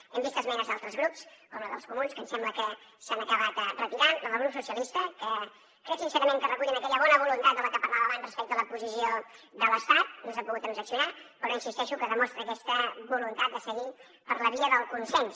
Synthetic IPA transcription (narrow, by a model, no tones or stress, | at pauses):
ɛmbist̪əzmɛnəzðalˠt̪ɾəzɣɾupskɔmləðə̰lˠskumunskənsɛmbləkə | sanəkəβat̪rət̪iɾanəməlɣɾupsusiəlist̪əkə | kɾɛsinsɛɾəmẽŋkərəkuʎiənəkɛʎəβɔnəβulunt̪at̪̚d̪ələkəpəɾlaβəβanzrəspɛk̚t̪əələpuzisioðələst̪at̪̚nosampuɣut̪ənzəksiunapəɾɔinsist̪ɛʃukəðəmɔst̪ɾəːkɛst̪əβulunt̪at̪̚d̪əsəɣi | pəɾləβiəðəlˠkunsɛns